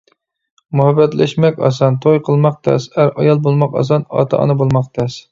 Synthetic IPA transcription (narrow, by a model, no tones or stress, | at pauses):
muhɛbːɛt̪læ̰ʃmɛkʲɑ̰sɑnt̪ʰojqʰəlˠmɑq̚t̪ʰɛ̰sæɾɑjɑlˠbolˠmɑqɑ̰s̬ɑnɑ̰ːt̪ʰɑʔɑ̰nɨbolˠmɑq̚t̪ʰɛs